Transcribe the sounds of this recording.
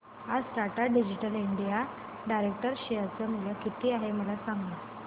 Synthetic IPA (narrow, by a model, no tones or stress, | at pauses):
ad͡zʈ̪aʈaɖid͡ʑiʈəliɳɖija | ɖajɾek̚ʈəɾɕijat͡səmuljəkit̪iːaɦeməlasaŋɡlə